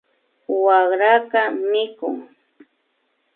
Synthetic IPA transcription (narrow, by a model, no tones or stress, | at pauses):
waɢɾakamɪkʊ̰ŋ